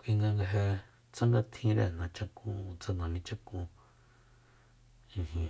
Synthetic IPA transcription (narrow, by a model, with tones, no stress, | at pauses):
kʷi˧ŋɡa˧ŋɡa˧ɦe˧ | t͡sã˦ŋɡa˧t̪ʰĩ˧˦ɾḛ˧˨nã˨t͡ʃa˧kũ˧t͡sa˧nã˨nĩ˧t͡ʃa˦kũ˧ | ĩ˧ɦĩ˧